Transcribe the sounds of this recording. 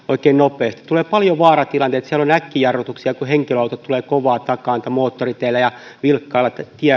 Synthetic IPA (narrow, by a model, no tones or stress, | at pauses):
oikeːnnopeːst̪i̥t̪t̪uleːpɑljoʋɑːrɑt̪ilɑnt̪eːt̪siælonækːijɑrʋot̪uksiɑkuheŋkiløɑlt̪ot̪uleːkoʋɑːt̪ɑkɑːnit̪æmoːt̪ːorit̪eːlːæjɑʋilkːɑːlːɑt̪t̪iæ